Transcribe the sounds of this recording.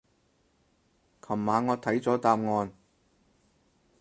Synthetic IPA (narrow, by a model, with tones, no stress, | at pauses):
kʰɐ˨˩mːaː˨˧ŋɔː˨˧t̪ʰɐ˨˥jt͡sɔː˨˥t̪aː˧mŋɔː˧n